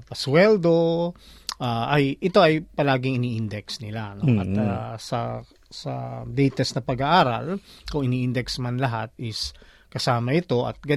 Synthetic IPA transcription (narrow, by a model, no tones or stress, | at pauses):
pɐswɛld̪o | ʔaʔɐjʔɪt̪o̞ʔɐjpɐlaːɡɪŋɪniːʔɪnd̪ɛksnɪlanoʔɐt̪asɐ | sɐ̰d̪ɛjt̪ɛsnɐpɐɡaʔaːɾɐ̰lkʊŋɪniːʔɪnd̪ɛksmanlɐɦat̪̚ɪs | kɐsaːmɐʔɪt̪o̞ʔɐ̰t̪̚ɡɐ